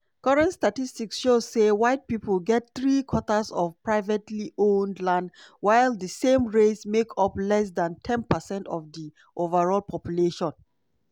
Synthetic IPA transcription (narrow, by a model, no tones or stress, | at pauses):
kʌɹɛ̃ntstatistiksʃozsewaɪt̚pipəlɡɛt̚θɹikʰwɔtəsɔfpɹaɪvɛtliõndlãndwaɪlˠdəsẽmɹesmekʰʌplɛs̬dãntʰɛ̃npəsɛ̃ntɔvdi | ʔovəɹɔlpʰɔpjuleʃɔ̃n